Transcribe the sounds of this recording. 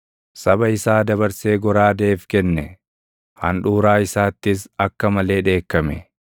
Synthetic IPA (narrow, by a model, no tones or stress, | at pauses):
sɐbɐɪsaːd̪ɐbɐɾse̞ːɡɔɾaːd̪e̞ːfkɛnːɛ | hɐ̰nᶑuːɾaːɪsaːt̪ːɪs̬ɐkːɐmɐle̞ːᶑe̞ːkːɐmɛ̰